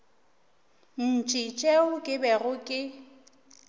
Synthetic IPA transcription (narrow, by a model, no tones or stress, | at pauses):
n̩t͡ʃʼit͡ʃʼɛʊkʼɪbɛrʊkʼɪ